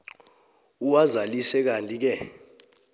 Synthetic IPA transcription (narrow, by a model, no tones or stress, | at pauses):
uwazalisɛk̬antʼik̬ɛ